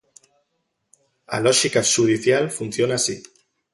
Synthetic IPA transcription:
a̰lɔʃikaʃuð̞iθjalfun̟θjonasi

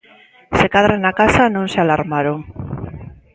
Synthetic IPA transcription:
sekaðɾanakasanõŋsealaɾmaɾoŋ

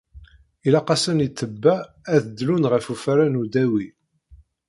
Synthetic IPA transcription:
ilɑqɑsənit̪ːəbːæː | ðəd̪ːlunʁəfufɾanud̪æwi

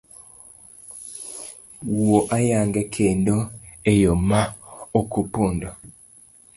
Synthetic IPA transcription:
woʔajaŋɡɛkʰendoejomaokupondɔ

